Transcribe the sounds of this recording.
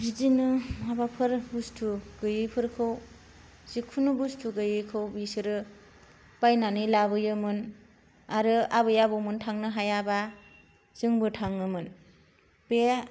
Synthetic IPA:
ɾizinɯmabapʰɯɾbustʰuɡ̥ɯjɯpʰɯɾkʰɯw | z̥ikʰunubustʰuɡɯjɯkʰɯwbisɯɾɯ | bajnanɯjlabɯjɯmɯn | aɾɯabɯjabomɯntʰaŋnɯɦajaba | z̥ɯŋbɯtʰaŋnɯmɯn | pe

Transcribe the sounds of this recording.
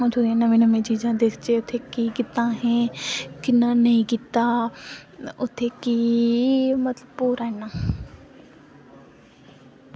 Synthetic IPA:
ʊt̪ʰõeːnəmẽːnəmẽːd͡ʒiːd͡ʒãːd̪est͡ʃeːʊt̪ʰːeːkiːkɪt̪ãːɦɛ̃ːkɪnãːnəĩːkit̪aː | ʊt̪ʰːeːkiː | mət̪ləbpoːɾaɛnãː

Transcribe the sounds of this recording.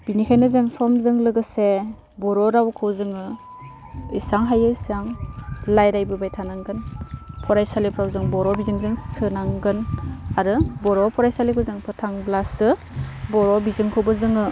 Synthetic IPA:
b̥inikʰajnɯzɯŋsɔmzɯŋlɯɡɯse | bɔɾɔɾawkʰɯwzɯŋɯ | isaŋɦajɯisaŋlajɾajbɯbajtʰanaŋɡɯnpʰɔɾajsalipʰɾawzɯŋbɔɾɔbizɯŋzɯŋsɯnaŋɡɯnaɾɯbɔɾɔpʰɔɾajsalikʰɯzɯŋpʰɯtʰaŋblasɯ | bɔɾɔbizɯŋkʰɯwbɯzɯŋɯ

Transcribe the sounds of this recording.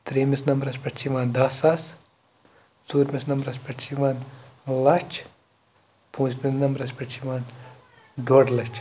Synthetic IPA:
t̪ɾeːmisnɐmbɾɐspɐt͡ʃʰiʋaːnd̪ɐsɐs | suːɾmʲisnɐmbɾɐspɐʈt͡ʃʰiʋaːnlɐt͡ʃ | pũːsmʲisnɐmbɾɐspɐt͡ʃʰiʋaːn | ɖoːɽlɐt͡ʃʰ

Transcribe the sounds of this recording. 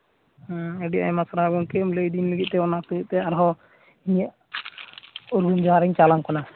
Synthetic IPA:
ɔ̃ɛɖiʔa̰ɲmasɾaɡɔnkɛmləjd̪inləɡit̪̚t̪ɛɔnasəiʔ̪̚t̪ɛaɾɦɔ | iɲəʔ | uɾɡund͡ʒaɾɛɲt͡ʃalaŋkɔna

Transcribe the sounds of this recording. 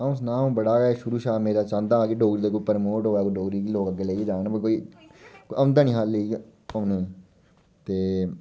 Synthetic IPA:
ãs̬nãːm̃ːbəɽaːɡɛʃʊɾuːʃaːmeːɾaːt͡ʃãːnd̪aːkeɖoːɡɾiːd̪aːkoːipəɾmoːʈɦoːaːkoɖoːɡɾiːkiloːkəɡeleːɡiːd͡ʒaːnãbəkoːiːkoənd̪aːnĩːɦalːeiəneː | t̪eː

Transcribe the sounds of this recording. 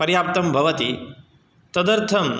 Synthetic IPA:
pɐɾjaːp̚t̪ɐmbʱɐʋɐt̪i | t̪ɐd̪ɐɾt̪ʰɐm

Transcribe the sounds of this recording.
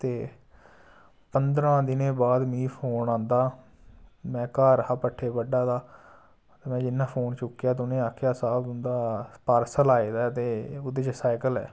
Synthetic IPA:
t̪eː | pənd̪ɾãːd̪ɪnẽːbaːd̪miːpʰoːnãːnd̪aː | mɛ̃ːkaːɾəɦaːpəʈʰːeːpəɖaːd̪aː | t̪eːmɛ̃ːd͡ʒɪnːãːpʰoːnt͡ʃʊkːjaːt̪ʊnẽːaːkʰːjaːsaːb̪ʊnd̪aːpaːɾsəlaːeːd̪aːt̪eːʊd̪eːt͡ʃsaːɪkəlɛ̰ː

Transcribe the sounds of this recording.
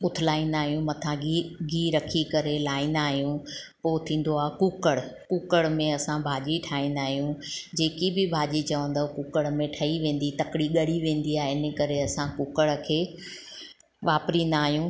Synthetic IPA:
ʊt̪ʰɪlaːĩːn̆d̪aːɦijũmɐt̪ʰãiɡiːɾɐkʰikɐɾelaːĩnd̪aːɦijũ | poːt̪ʰĩːn̆d̪oaːkʊkəɽkʊkəɽmẽɐsãbʱaːʄiʈʰaːĩːnd̪aːɦijũd͡ʑeːkibɪbʱaːʄit͡ɕɐʋə̃nd̪aːokʊkəɽmẽʈʰɐiʋẽːn̆d̪it̪ɐkɪɽiɠɐɽiʋẽːn̆d̪iaːɦeɪnəkɐɾeɐsãkʊkəɽkʰeː | ʋaːpɾĩːn̆d̪aːɦijũ

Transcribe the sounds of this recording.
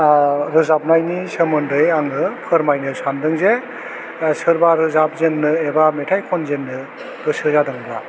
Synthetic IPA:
ɾɯzap̚najnisɯmɯndɯjaŋɯpʰɯɾmajnɯsandɯŋze | sɯɾbaɾɯzap̚zenːɯebametʰajkʰɔnzenːɯ | ɾɯsɯɾzadɯŋbla

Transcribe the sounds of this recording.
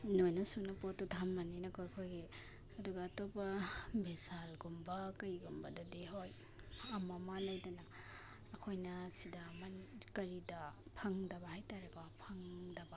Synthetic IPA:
nojnɐsunɐpɔtudʱamːaninɐkʰojɐkʰojɡe | ɐduɡɐːtobɐbesalɡumbɐkɐjɡumbɐdɐdeɦoj | ɐmamalɐjdɐnɐː | kʰojnɐsidamankɐɾidɐpʰɐŋdɐbɐhajtaɾeɡopʰɐŋdɐba

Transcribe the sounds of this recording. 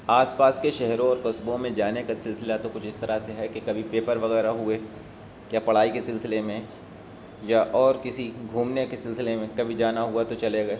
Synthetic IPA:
aːspaːskeʃɛɦɾõɔːɾkɐsbõmẽd͡ʒaːnekasɪlsɪlat̪okʊt͡ʃʰɪst̪ɐɾaseɦɛkekɐbʱipeːpəɾʋɐɣɛːɾaɦue | kjapɐɽ̤aːikesɪlsɪlemẽ | jaʔɔːɾkɪsiɡʱuːmnekesɪlsɪlemẽkɐbʱid͡ʒaːnaɦuat̪ot͡ʃɐleɡɐeː

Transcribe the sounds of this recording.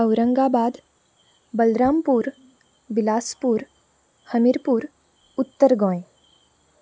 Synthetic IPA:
əwɾə̃ŋɡabaːd̪ | bəlɾaːmpuːɾ | bɪlaːspuːɾ | həmiɾpuːɾ | ʊt̪ːəɾɡɔ̃ːẽ

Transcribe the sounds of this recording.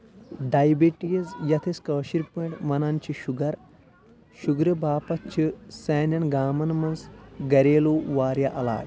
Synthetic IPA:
ɖajbiʈijɐzjɐt̪ʰɐskɐːʃiɾpɐʈmɐnɐnt͡ʃʰiʃuɡɐɾ | ʃuɡɾɐbaːpɐt͡ʃʰiseːnjɐnɡaːmɐnmɐnsɡɐɾeːloːʋaːɾjaʔɐla̰ːd̪

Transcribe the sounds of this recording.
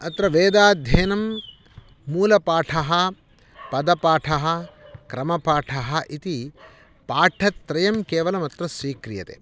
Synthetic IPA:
ɐt̪ɾɐʋeːd̪aːd̪ʱjeːnɐmː | uːlɐpaːʈʰɐɦɐ | pɐd̪ɐpaːʈʰɐɦɐkɾɐmɐpaːʈʰɐɦɐʔit̪i | paːʈʰɐt̪ɾɐjɐmkeːʋɐlɐmɐt̪ɾɐsʋiːkɾijɐt̪ḛː

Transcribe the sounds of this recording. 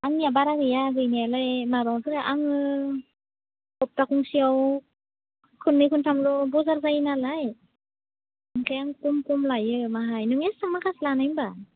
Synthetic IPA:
aŋnijabaɾaɡɯjaɡɯjnijalajmabaŋkʰɯɾɯʔaŋɯ | kɔp̚takuŋsiaw | kʰɯnːɯjkʰɯntʰamlɔbɔzaɾzajnalaj | ŋkʰajaŋkumkumlajɯmaɦajnɯŋesaŋmakʰaslanajmba

